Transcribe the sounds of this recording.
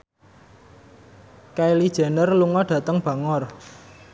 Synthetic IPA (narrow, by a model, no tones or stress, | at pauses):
kailid̥ʒ̥a̤nərluŋɔɖ̥ä̤t̪əŋb̥ä̤ŋɔr